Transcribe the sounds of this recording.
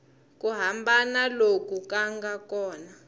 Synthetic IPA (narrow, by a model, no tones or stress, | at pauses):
k̬ʼuɦambanalok̬ʼukʼaŋɡakɔːna